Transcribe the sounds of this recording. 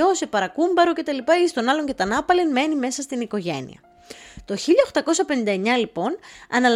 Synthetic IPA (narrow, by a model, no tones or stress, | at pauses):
o̞se̞pɐɾɐkumbɐɾoce̞t̪ɐlipɐeist̪o̞nɐlo̞ɲce̞t̪ɐnɐpɐlenme̞nime̞sɐst̪iniko̞ʝe̞̰nḭɐ̰ | t̪o̞çiʎɐoxt̪ɐko̞sɐpe̞nind̪ɐeɲɐlipo̞nɐnɐl